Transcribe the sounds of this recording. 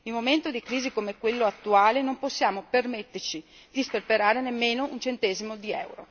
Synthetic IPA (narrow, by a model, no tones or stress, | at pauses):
immːoment̪od̪ikɾiːzikomekwelːoat̪ːuaːlenomposːjaːmopermet̪ːert͡ʃi | d̪isperpeɾaːɾenemːeːnount͡ʃent̪ɛːzimod̪iɛ̰wɾo̰